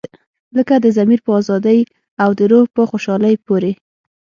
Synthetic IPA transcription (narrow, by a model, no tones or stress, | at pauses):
ləkad̪əzamiɾpəɑzɑd̪əj | awd̪əɾohpəxoʃɑləjpoɾe